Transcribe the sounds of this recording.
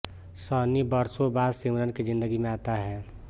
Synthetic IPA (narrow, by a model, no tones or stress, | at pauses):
səːnibəɾsõbaːd̪simɾənkid͡ʒɪ̃nd̪əɡimẽaːt̪aɦɛː